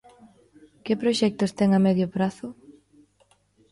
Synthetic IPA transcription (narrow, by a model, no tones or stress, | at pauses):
kɪpɾoʃɛk̚t̪ʊst̪ɛŋamɛðjopɾaθʊ